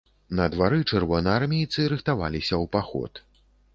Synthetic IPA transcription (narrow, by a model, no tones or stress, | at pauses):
nɐd̪vaɾɨt͡ʂɛrvɔnɨarmʲejt̪sɨɾɨxt̪ava̰lʲisʲɐwpaxɔ̰t̪